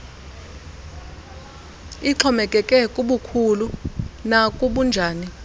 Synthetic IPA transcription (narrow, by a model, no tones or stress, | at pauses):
iǁʰɔmɛkʼɛkʼɛkʼuɓukʰulunakʼuɓund͡ʒʱaːni